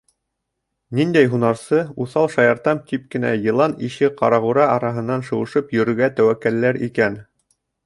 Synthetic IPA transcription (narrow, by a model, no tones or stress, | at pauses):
nind̪æjɦunɑɾsɤuθɑlˠʃɑjɑɾt̪ɑmt̪ip̚kɘ̆næ̰jɤ̆lˠɑniʃɘqɑɾɑʁuɾɑɑɾɑɦɤ̆nːɑnʃɤ̆wɤ̆ʃɤpjɵ̆ɾɵ̆ɡæt̪æwækːælːæɾikæn